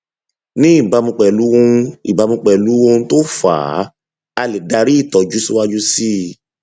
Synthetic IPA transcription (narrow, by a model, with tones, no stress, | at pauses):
nĩ˦i˦˨ba˧mũ˧k͡pɛ˨lu˨˦wõ˧i˨ba˨˧˦mũ˧k͡pɛ˨lu˨˦wo˧n̩˦to˦fa̰˨˦ | a˧li˨da˧ɾi˦i˦˨tɔ˨d͡ʒu˨˦si˦wa˦d͡ʒu˦si˦